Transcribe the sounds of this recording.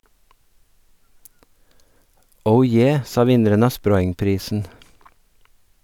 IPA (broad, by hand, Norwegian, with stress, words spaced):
ˈəʊ ˈjeː ˈsɑː ˈʋɪnəɾən ˈɑː ˈspɾɔʏŋˌpɾiːsn̩